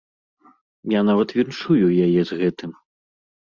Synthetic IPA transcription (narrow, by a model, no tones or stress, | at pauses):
janavɐt̪vʲinʂujujajɛzɣɛt̪ɨm